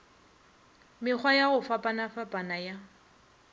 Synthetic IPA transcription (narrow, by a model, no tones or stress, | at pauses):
mɪk͡xʰwajaɣʊfapʼanafapʼanaja